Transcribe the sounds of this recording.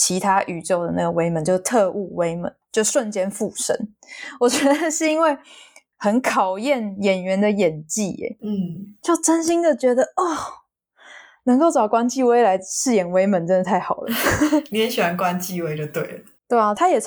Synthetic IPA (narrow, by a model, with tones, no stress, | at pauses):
t͡ɕʰi˧˥t̪ʰa˥ʔy˨˩t͡ɕo˥˩ʊd̪ə˩na˥˩ɡə˩we˥ɪmə˨˦nt͡ɕjo˥˧ʊ˥t̪ʰɤ˥˧ʔu˥˩we˥ɪmə̰˨˦nt͡ɕjo˥˧ʊʂwə˥˨nt͡ɕjɛ˥nfu˥˩ʂə̰˥n | wɔ˨˩t͡ɕɥɛ˧˦d̪ə˧˨ʂɻ̩˥˩i˥nwe˥˩ɪ | xə˧˥nkʰɑ˨˩ʊjɛ˥˩njɛ˨˩nɥɛ˧˥nd̪ə˨jɛ˨˩nt͡ɕi˥˩ɛ̰˨˩˥t͡ɕo˥˩ʊʈ͡ʂə˥nɕi˥ŋd̪ə˨t͡ɕɥɛ˧˥d̪ə˨ɔ˥˩ | nə˧˥ŋko˥˩ʊʈ͡ʂɑ˨˩ʊkwa˥nt͡ɕi˥˧we˥ɪla˧˦ɪʂɻ̩˥˩jɛ˨˩nwe˥ɪmə˨˦nʈ͡ʂə˦nə˧t̪ʰa˥˩ɪxɑ˨˩ʊd̪ə̰˦njɛ˧˦nɕɛ˨˩a˧˦nkwa˦˥nt͡ɕi˥˨we˥ɪʈ͡ʂə˨˧t̪we˥˩ɪlə | t̪we˥˩ɪɔ˨˩t̪ʰa˥jɛ˨˩